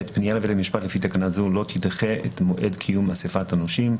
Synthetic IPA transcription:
et̪pnijalevelemiʃpat̪lefit̪akanazulo̞t̪ʰid̪χeʔḛt̪moʔedkʰijumasefat̪anoʃim

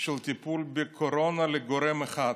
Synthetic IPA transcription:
ʃelt̪ipulbekʰoɾonaleɡoɾemeχa

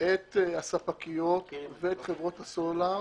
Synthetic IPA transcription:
et̪asapakijot̪veet̪χevʁo̞t̪hasola

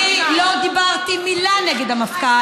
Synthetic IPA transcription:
lod̪ibaʁt̪imilaneɡed̪hamafka

